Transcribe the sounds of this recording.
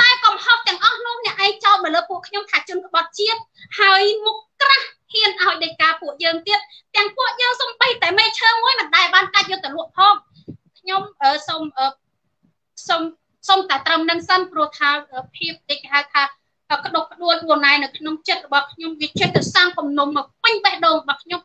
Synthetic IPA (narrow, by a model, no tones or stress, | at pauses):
t̪aɛkɑmhop̪̚t̪ɛ̆əŋʔɑhnŭəhnɛ̆əʔːaɛŋt͡ɕaɔt̪̚məːləːpuəʔkʰɲomt̪ʰaːt͡ɕʊ̆ənkə̆ɓɑt̪̚t͡ɕiət̪̚ | haəjmukːkrahhiənʔaɔjɗəjkaːpuəʔjəːŋt̪iət̪̚ | t̪ɛ̆əŋpuəʔjəːŋsomɓəjt̪aɛmeːt͡ɕʰəːmuəjmɨnɗaɛɓaːnkac̪̚joːt̪aluəp̚pʰɑːm̚ | kʰɲomʔəːsomʔəː | som | somt̪aɛt̪rəmnɨŋsənprʊ̆əht̪ʰaːʔəːpʰiəp̚ɗekeːɦawt̪ʰaː | ʔəːkə̆ɗohkə̆ɗuəlɓuənːaɛnɨwkʰnoŋt͡ɕət̪̚rɔɓɑhkʰɲomʋiət͡ɕut̪̚ːəsaŋkumnummaːwpɨɲɓɛhɗoːŋrɔɓɑhkʰɲom